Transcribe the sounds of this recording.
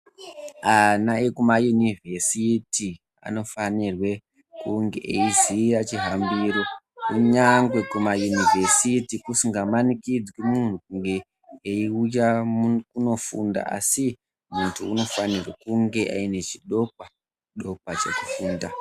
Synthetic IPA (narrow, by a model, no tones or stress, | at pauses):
anaekumajunivʱe̞siti | a̰no̞fanirwe̞ | kuŋɡeʔeiziat͡ʃiɦambiːɾo̞ | kuɲaŋɡwe̞kumajunivʱe̞sitikusiŋɡamanikid͡zwimun̤ukuŋɡe̞ | eiujakuno̞funda̰ʔa̰si | muntʰuːno̞fanirwḛkuŋɡe̞ʔa̰ine̞t͡ʃiɗo̞k̚wa | ɗo̞kwat͡ʃḛkufuːnda